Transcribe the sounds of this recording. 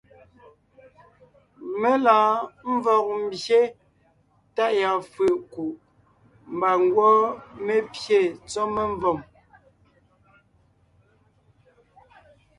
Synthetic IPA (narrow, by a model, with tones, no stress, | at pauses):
me˦laː˨ɱ̩˦vɔ˨k̚m̩˦˨bje˦ | ta˦˨ʔja˨fʉ˨ʔku˨ʔ | m˨ba˨ŋ˦ɡwɔ˦me˦pje˦˨t͡sɔ˦me˦ɱ˦vɔ˨m